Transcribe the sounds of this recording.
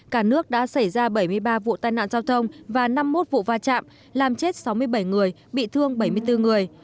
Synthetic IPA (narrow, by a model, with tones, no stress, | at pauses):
kaː˧˩nɨ˦˥ək̚ɗa̰ː˧˥sa˧˩jzaː˧ɓə˧˩jmɨ˧əjɓaː˧vṵ˧˨t̪aː˨˩jna̰ː˧˨nzaː˧wt̪ʰə˧wŋ͡mvaː˨˩na˧mːo˦˥t̚vṵ˧˨vaː˧t͡ɕa̰ː˧˨m | laː˨˩mt͡ɕe˦˥t̚sa˨˦wmɨ˧əjɓə˧˩jŋɨ˨˩əj | ɓḭ˧˨t̪ʰɨ˧əŋɓə˧˩jmɨ˧əjt̪ɨ˧ŋɨ˨˩əj